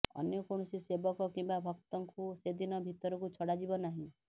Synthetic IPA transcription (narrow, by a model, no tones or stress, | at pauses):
ɔ̰njɔkoɳ̃ɔsisebɔkɔkimbabʱɔk̚t̪ɔŋkused̪inɔbʱit̪ɔɾɔkut͡ʃʰɔɽad͡ʒibɔnaɦĩ